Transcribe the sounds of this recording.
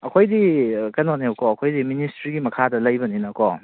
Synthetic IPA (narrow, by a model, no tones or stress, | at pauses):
ɐkʰojdikɐnoneokɔɐkʰojdiministɾiɡimɐkʰadɐlɐjbɐninɐkɔ